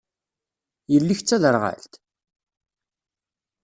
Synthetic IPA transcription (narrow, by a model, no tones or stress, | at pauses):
jəlːiçt͡sːæðəɾʁa̰lt̪